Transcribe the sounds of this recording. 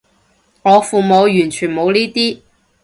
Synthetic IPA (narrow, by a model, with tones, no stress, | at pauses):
ŋɔː˨˧fuː˨mo˨˧wjyː˨˩nt͡ʃʰyː˨˩nmo˨˧wliː˥t̪iː˥